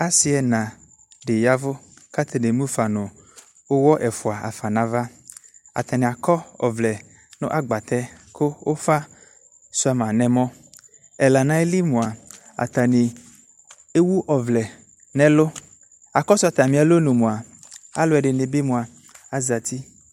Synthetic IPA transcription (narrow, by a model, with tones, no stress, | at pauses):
a˦si˨ɛ˨nã˨ | ɖe˨ja˦vʊ˦ka˦t̪ʰe˨ne˨mũ˦fa˨nʊ̃˨ | wo˦wɔ˦ʔɛ˨fʊ˨a˨a̰˨fa˨nã˨va˦a̰˨t̪a˨ne˨a˨kɔ˦ɔ̰˨vlɛ˨ | nʊ̰̃˦ʔa˨ɡ͡ba˨t̪ɛ˦kʰo˦wʔo˦fa˦ | su˦a˨mã˨nɛ̃˨mɔ̃˦ | ɛ˨la˨nã˦e˦li˦mũ˨a˨ | a̰˨t̪a˨ne˨ | e˦wu˦ʔɔ˨vlɛ˨ | nɛ̃˦lo˦ | a˨kɔ˦sʊ˦a˨t̪a˨mĩ˨a˨lo˦nũ˨mõ˨a˨a̰˨lo˨˦ɛ˨ɖe˨ne˨be˦mũ˨a˨ | a˨za˨t̪ʰi˦